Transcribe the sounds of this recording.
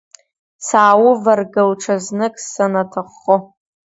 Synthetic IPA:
saːwʊvarɡalʈ͡ʂʰaznɨkʼsanatʰɨχːo

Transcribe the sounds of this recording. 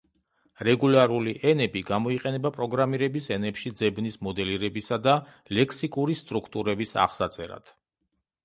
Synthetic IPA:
ɾɛɡulaɾuliʔɛnɛbiɡamɔiqʼɛnɛbapʼɾɔɡɾamiɾɛbisɛnɛpʃid̪zɛbnismɔd̪ɛliɾɛbisad̪a | lɛkʰsikʼuɾist̪ʼɾukʰt̪ʼuɾɛbisa̰χsat̪sʼɛ̰ɾa̰t̪ʰ

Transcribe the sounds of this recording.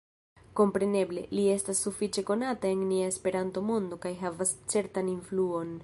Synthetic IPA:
ko̞mpɾe̞ne̞ble̞̰lie̞stasːufit͡ʃe̞ko̞natae̞nniae̞spe̞ɾanto̞mo̞ndo̞kajɦavast͡se̞ɾtaninfluo̞n

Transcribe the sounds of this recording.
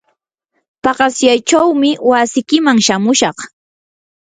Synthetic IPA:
pɑɢɑsjajt͡ʃawmɪwasɪkɪmaŋʃamʊʃɑχ

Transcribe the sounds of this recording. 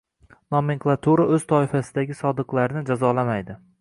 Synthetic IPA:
nɒmeŋklˠat̪ʰuɾaɵz̥t̪ʰɒɪfasɪd̪aɡʲɪsɒd̪ɨqlˠaɾnɪd͡ʒazɒlamajd̪ɪ

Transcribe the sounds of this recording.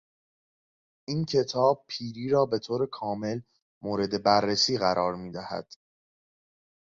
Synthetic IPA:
ʔiːncʰe̞t̪ʰɒːb̥̚pʰiːɾiːɾɒːbe̞t̪ʰoːɾe̞kʰɒːme̞l | moːɾe̞d̪e̞bærːesiːɣæɾʔɒːɾmiːd̪æhæ̰d̪̥

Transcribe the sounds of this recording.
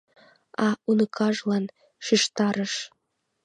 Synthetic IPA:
ɑunɤkʰɑʒlɑn | ʃiʃt̪ɑɾə̆ʃ

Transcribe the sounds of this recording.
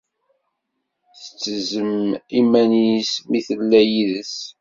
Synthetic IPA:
θə̥t͡sːəzəmimænismiθəlːæjiðəs

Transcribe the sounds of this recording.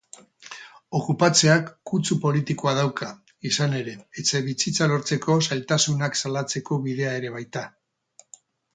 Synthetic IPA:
o̞kupat͡se̞akːut͡supo̞lit̪ikoað̞awkʰa | isane̞ɾe̞ːt͡seβisit͡salo̞ɾt͡se̞ko̞sajlt̪asunaksalat͡se̞ko̞βið̞e̞ae̞ɾe̞β̞ajt̪a

